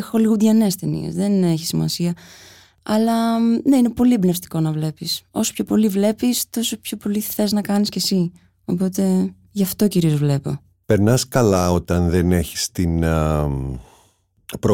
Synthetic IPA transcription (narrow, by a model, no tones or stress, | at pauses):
xo̞liɣudʝɐne̞st̪enḭe̞̰zðe̞neçi̥simɐ̰siɐ | ɐlɐne̞inepo̞libnefst̪i̥ko̞nɐvle̞piso̞sopço̞po̞livle̞pist̪o̞sopço̞po̞lixθe̞znɐkɐnisce̞si | o̞po̞t̪e̞ | ʝɐft̪o̞ciɾio̞zvle̞po̞̰ | peɾnɐskɐlɐo̞t̪ɐnðene̞çi̥st̪in | pɾo